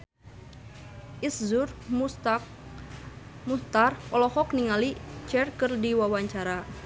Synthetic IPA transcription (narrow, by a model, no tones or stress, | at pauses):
ʔiszur | must̪arɔlɔhɔkniŋalit͡ʃɛrkɨrdiwawaɲt͡ʃaɾa